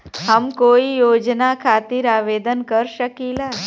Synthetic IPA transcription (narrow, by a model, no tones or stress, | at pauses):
ɦəmkoijod͡ʒnakʰat̪iɾaʋed̪ənkəɾʃəkila